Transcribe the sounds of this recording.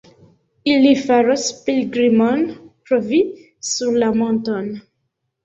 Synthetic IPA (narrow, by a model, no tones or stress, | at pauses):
ilːifaɾɔspilɡʁimɔnpɾɔvi | syʁlamɔ̃t̪ɔn